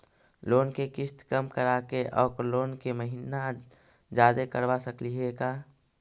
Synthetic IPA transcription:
loːnkekɪst̪kəmkəɾakeʔɔːkloːnkeməɦinad͡ʒaːd̪ekəɾʋasəkliɦekaː

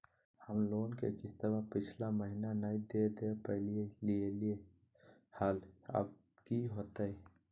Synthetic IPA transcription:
həmloːnkḛkɪst̪əbapɪt͡ʃʰlaməɦinanaid̪eːd̪eːpəɦlielielie | haːla̰b̚ | kiɦoːt̪aɦɛː

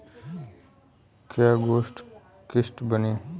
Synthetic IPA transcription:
kjaːɡoːsʈ | kɪsʈbəniː

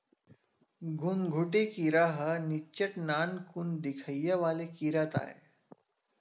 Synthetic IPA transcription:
ɡʱunɡʱuʈ̬ekiɾaɦənit͡ɕəʈnaːnkund̪ikʰəjːəʋalekiɾat̪a̰ḛ

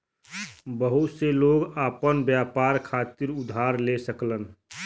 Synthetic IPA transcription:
bəɦʊt̪seloːɡaːpənbjaːpaːɾkʰaːt̪ɪɾʊd̪ʱɦaːɾlesəklən

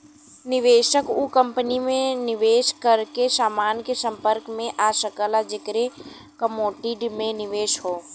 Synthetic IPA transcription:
nɪʋeːʃəkukə̃mpənimẽnɪʋeːʃkəɾkesaːmaːnkesə̃mpəɾkmẽʔaːʃəkəlad͡ʒɪkɾe | kəmoːʈiɖmẽnɪʋeːʃɦoː

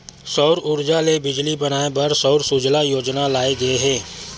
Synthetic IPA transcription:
sɔʊɾʊɾd͡ʒalebɪd͡ʒlibɐnaːebɐɾsɔʊɾsʊd͡ʒlajoːd͡ʒnalaːeɡɐeɦɛ̃ː

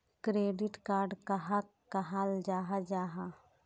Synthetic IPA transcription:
kɾeːɖɪʈkaːɾɖkaɦa | kɐɦald͡ʒaːɦad͡ʒaːɦa

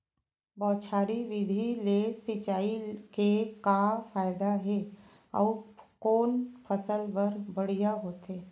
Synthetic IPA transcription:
bɔːt͡ʃʰaːɾiʋɪd̪ʱilesɪt͡ʃaːikekafʰaːɪd̪aɦɛː | ɔ̰ːkoːnpʰəsəlbəɾbəɽ̤ijaɦoːt̪eː

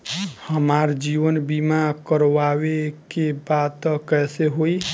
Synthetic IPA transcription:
həmaɾd͡ʒiʋənbimakəɾʋawekebat̪ːəkɛseɦoj

